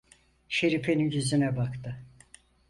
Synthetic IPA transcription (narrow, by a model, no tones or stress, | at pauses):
ʃe̞ɾipeninɟyzynɛbakt̪ʰɯ